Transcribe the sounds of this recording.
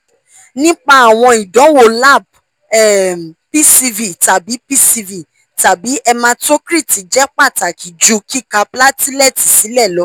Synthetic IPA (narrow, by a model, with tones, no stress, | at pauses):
nĩ˦k͡pa˦a˨w̃ɔ̃˧i˨dɔ̃˨˦wo˨la˦˨b̚ | ɛ˦˨pi˦˨si˧vi˨ta˨bi˨˦pi˦si˧vi˨ | ta˨bi˨˦ɛ˧mã˧˦to˦kɾi˦˨ti˨d͡ʒɛ˨˦k͡pa˦˨ta˨kʰi˨d͡ʒu˨˦ki˦ka˧pla˦ti˦lɛ˦˨ti˨si˨˦lɛ˦˨lɔ˨˦